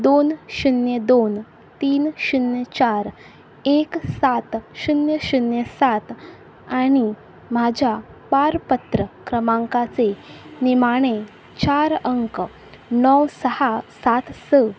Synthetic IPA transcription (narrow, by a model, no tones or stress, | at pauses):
d̪onɕunjəd̪on | t̪iːnɕunjət͡ɕaɾ | eksat̪ɕunjəɕunjesat̪ | aɽ̃i | mad͡ʑʱjapaɾpət̪ɾəkɾəmãŋkat͡senimaɽ̃e | t͡ɕaɾəŋk | nɔwsəhasat̪sə